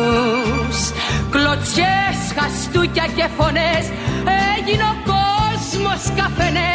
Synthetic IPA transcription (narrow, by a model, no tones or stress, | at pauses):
s | klot͡sçesxɐst̪ucɐcefones | ɛʝinokozmoskɐfene